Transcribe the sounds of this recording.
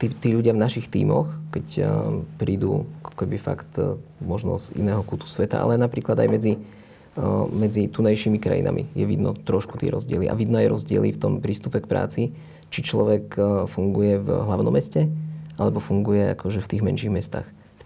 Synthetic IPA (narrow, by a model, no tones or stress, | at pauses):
t̪it̪iːʎuɟɪavnaʃixt̪ḭːmɔ̰xkɛcpɾiːd̪ṵːakɔ̥kɛbifa̰kt̪mɔʒnɔ̰zḭnɛːɦɔkut̪u̥sʋɛt̪a̰ʔa̰lɛnapɾiːklˠad̪a̰jmɛd͡zi | mɛd͡zit̪unajʃimikɾa̰jḭna̰mʔḭjɛʋḭd̪nɔt̪ɾɔʃku̥t̪ɪɛ̰ɾɔzɟɪɛliʔa̰ʋid̪najɾɔzɟɪɛ̰lift̪ɔmpɾiːst̪upɛkpɾʔa̰ːt͡si | t͡ʃit͡ʃlɔʋɛkfuŋɡujɛvɦlaʊnɔmɛscɛʔalɛbɔfuŋɡujɛa̰kʰɔʒɛft̪iːɣmɛnʃiɣmɛst̪a̰ːx